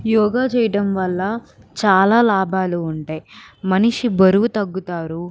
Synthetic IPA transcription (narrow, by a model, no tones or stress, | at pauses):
jɔːɡaːt͡ʃɛːjɐʈɐmʋɐlːɐt͡ʃaːlaːlaːbʱaːluːɳʈeːjmɐniʂibɐɾuʋut̪ɐɡːut̪aːɾu